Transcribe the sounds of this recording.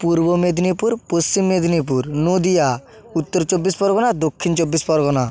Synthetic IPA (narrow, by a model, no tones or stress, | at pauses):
puɾbomed̪nipuɾpost͡ɕimːed̪ʱnip̬uɾnod̪ija | ut̪ːoɾt͡ʃobːispɔɾɡonad̪okʰːint͡ʃobːispɔɾɡona